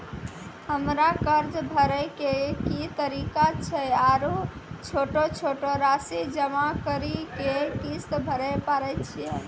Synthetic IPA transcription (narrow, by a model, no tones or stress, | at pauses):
həmɾakəɾd͡ʒbʱəɾəjkekit̪əɾikat͡ʃʰɛaɾut͡ʃʰoʈot͡ʃʰoʈoɾasid͡ʒəmakəɾikekist̪bʱəɾəpaɾɛt͡ʃʰijə